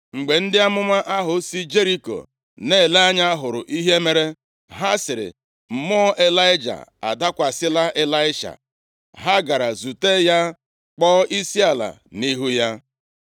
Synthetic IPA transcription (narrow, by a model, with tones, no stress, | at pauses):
ŋ͡m̩˨ɡ͡be˨n̩˦dɪ˦a˦mʊ˦ma˦ʔa˦ɦʊ˨si˦d͡ʒe˦ɾi˦ko̰˨ | ne˦˨le˦a˦ɲa˦ɦʊ˨ɾʊ˨ʔi˦ɦe˦me˨ɾe˦ | ɦa˦sɪ˨ɾɪ̰˨ | m̩˨mɔ˦ʔe˦la˦ɪ˦d͡ʒa̰˨a̰˨da˦kʷa˨sɪ˦la˦ʔe˨la˦ɪ˦ʃa̰˨ | ɦa˦ɡa˨ɾa˨zu˨te˦ja˦ | k͡pɔ˦ʔi˦si˦a˨la̰˨ni˦ɦu˦ja˦